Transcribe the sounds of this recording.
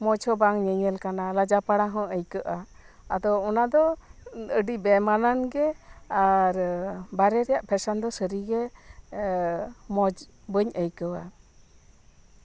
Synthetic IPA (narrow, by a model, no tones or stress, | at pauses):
mɔd͡ʒhɔbaŋɲəɲəlkanalad͡ʒapaɽaɦɔ̃əjkəʔa | ad̪ɔɔnad̪ɔ | əɖibɛmananɡɛaɾbaɾɛɾɛjaʔpʰɛsand̪ɔsəɾiɡɛ | mɔd͡ʒ | bəɲəjkəwa̰